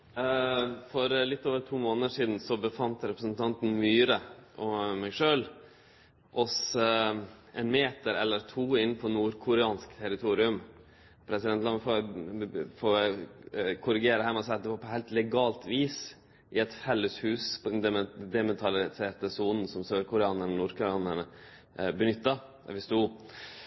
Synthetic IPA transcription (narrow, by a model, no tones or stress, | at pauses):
fɔɾlɪt̪ːoːʋəɾt̪ʰuːmoːnəəʂiːd̪n̩sɔbəfɑnt̪ɾɛpɾəsn̩t̪ʰɑnt̪n̩myːɾəʔɔmæɪʂøːl | ʔɔs | ʔɛnmeːt̪əɾɛlːəɾt̪ʰuːɪnːpʰɔnuːɾkʰʊɾɛɑːnskt̪ʰɛɾɪt̪ʰuːɾɪʉm | pʰɾɛsɪɛnt̪lɑmːəfoː | foː | kʰʊɾɪɡeːɾəhæːmɛɔst̪ːəpɔːpʰɔhæɪlt̪lɛɡɑːlt̪ʋiːs | ʔɪɛt̪fɛlːəshʉːspʰɔd̪ɛnd̪ɛmɛnt̪ʰɑlɪseːɾt̪əsuːnn̩sɔmsøːɾkʊɾɛɑːnəɳnuːɾkʰʊɾɑːnəɳə | bənʏt̪ːɑ̰ | ʋɪst̪uː